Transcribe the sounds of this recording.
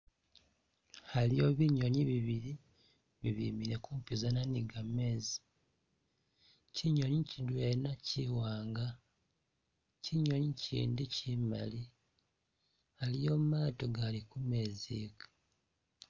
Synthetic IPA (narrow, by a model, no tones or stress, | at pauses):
halijo̞βiɲo̞ɲiβiβiɾi | βiβiːmiɾekuːmpizananiɡamːe̞ːzi | ciɲo̞ɲicidwenaciwaːŋɡa | ciɲo̞ɲicḭːndicima̰li | halijo̞ːmumaːto̞ɡalikume̞ːzikḁ